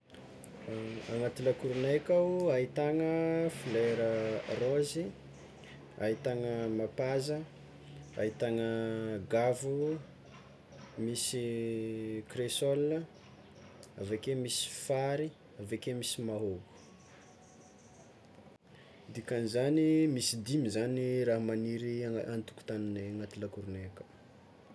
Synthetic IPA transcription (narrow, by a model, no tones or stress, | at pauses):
aŋat̪ilakuɾunajkawait̪aŋəfileɾərozi | a̰it̪aŋəmapazə | ait̪aŋəɡavu | misi | kresolə | avakemisi̥faɾi | avekemisimaɦoɡu̥ | d̪ikanizanimisid̪imizaniɾaɦmaniɾiant̪u̥ku̥t̪anineŋat̪ilakuɾunekə̥